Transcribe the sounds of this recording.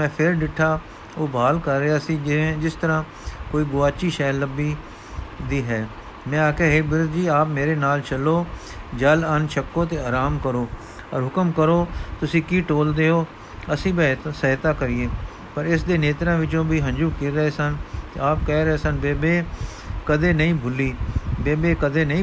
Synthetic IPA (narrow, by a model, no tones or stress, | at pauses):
mɛ̃ːpʰɪɾɖɪʈʰːaː | oːbaːlkəɾːeaːsĩːd͡ʒɪst̪əɾãː | koːiːɡʊʋaːt͡ʃiːʃɛːlːəbiː | d̪iːɦɛː | mɛ̃ːaːkeːɦeːbɪɾʊt̪d͡ʒiːaːpmeːɾeːnaːlt͡ʃəlːoː | d͡ʒələnʃʰəkːoːt̪eːaːɾaːmkəɾoː | ɔɾɦʊkəmkəɾoːt̪ʊsĩːkiːʈoːld̪eːoː | əsĩːbet̪səɦt̪aːkəɾɪːeː | pəɾɪs̬d̪eːneːt̪ɾãːʋɪt͡ʃõːbiːɦənd͡ʒuːkiɾəɦeːsənt̪ḛːaːpkɛːɾəeːsənbeːbeː | kəd̪eːnəĩːbʊlːiːbeːbeːkəd̪eːnəĩː